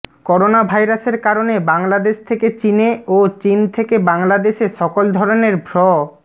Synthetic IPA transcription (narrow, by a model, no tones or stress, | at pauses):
kɔɾonabʱajɾaseɾkaɾonebaŋlad̪eʃt̪ʰeket͡ɕineot͡ɕint̪ʰekebaŋlad̪eʃeʃɔkold̪ʱɔɾoneɾbʱɾɔ